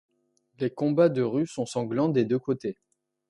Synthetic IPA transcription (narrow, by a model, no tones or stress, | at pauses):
lekɔ̃bad̪əʁysɔ̃sɑ̃ɡlɑ̃d̪ed̪økot̪e